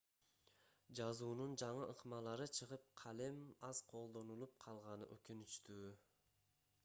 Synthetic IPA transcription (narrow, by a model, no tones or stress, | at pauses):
d͡ʒɑzuːnund͡ʒɑɴɯʔɯqmɑlˠɑɾɯt͡ʃʰɯʁɯp̚qʰɑlemɑz̥qʰo̞lˠd̪o̞nulˠup̚qʰɑlˠʁɑnɯ̰ʔøkynyt͡ʃt̪yː